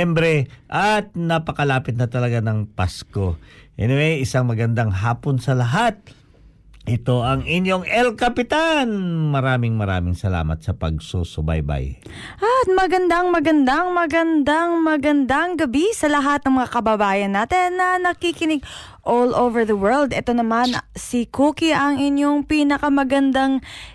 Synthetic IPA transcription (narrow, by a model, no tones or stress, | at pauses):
ɛmbɾɛʔɐt̪̚nɐpɐkɐlaːpɪt̪̚nɐt̪ɐlɐɡanɐŋpasko̞ʔɛ̰noʔɛjʔɪsaŋmɐɡɐnd̪aŋɦaːponsɐlɐɦat̪̚ | ʔɪt̪o̞ʔɐŋɪɲjo̞ŋʔɛlkɐpɪt̪anmɐɾaːmɪŋmɐɾa̰ːmɪŋsɐla̰ːmɐ̰t̪̚sɐpɐ̰ɡ̚sosʊba̰jba̰j | ʔɐt̪̚mɐɡɐnd̪aŋmɐɡɐnd̪aŋmɐɡɐnd̪aŋmɐɡɐnd̪aŋɡɐbisɐlɐɦat̪̚nɐŋmɐŋakɐbabaːjɐnːaːt̪ɛnːɐnɐkikɪnɪɡ̚ | ʔolʔowvɛɹðɐwɛɹld̪ɛt̪o̞nɐmansikuːkiʔɐŋɪnjoŋpiːnɐkɐmɐɡɐnd̪aŋ